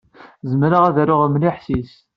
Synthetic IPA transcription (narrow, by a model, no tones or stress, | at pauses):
zəmɾaʁæðæɾʊʁəmliħsis